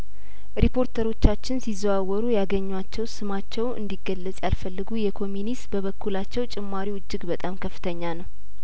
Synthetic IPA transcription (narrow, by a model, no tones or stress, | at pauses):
ɾipʰo̞ɾt̪ʰəɾo̞t͡ʃːat͡ʃːɪnsizwawːɔɾujaɡəɲːwat͡ʃːɛwsɨmat͡ʃːɛwʔɨ̰nd̪iɡːəlːət͡sʼjalfəlːɨɡujɛkʰo̞mjunist̪bəβəkʰːulat͡ʃːɛwt͡ʃʼɪmːaɾiɨd͡ʒːɪɡbət̪ʼamkʰəfːɨ̥t̪ʰəɲːanəw